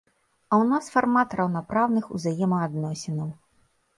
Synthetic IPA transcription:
ɐwnasfarmat̪rɐwnapɾawnɨxṵzajɛmɐad̪nɔsʲinɐw

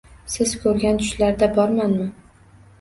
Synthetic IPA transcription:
sɪzkʰɵɾɡʲant̪ʰʊ̥ʃlaɾd̪abɒɾmanmɪ

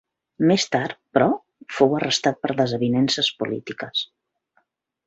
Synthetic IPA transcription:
mest̪arpɾɔ | fowərəst̪at̪̚pəɾðəzəβinɛnsəspulḭt̪ikəs

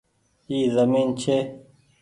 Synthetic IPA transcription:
iːzəmiːnt͡ʃʰeː

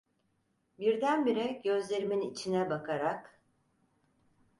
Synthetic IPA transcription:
biɾd̪ænbiɾɛɟø̞zlʲe̞ɾiminit͡ʃʰinɛbakʰaɾak

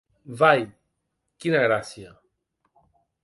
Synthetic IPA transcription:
vaj | kinaɣɾasiɐ

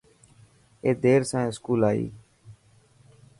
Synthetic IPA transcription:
eːd̪eːɾsãːẽːskuːlaːḭː

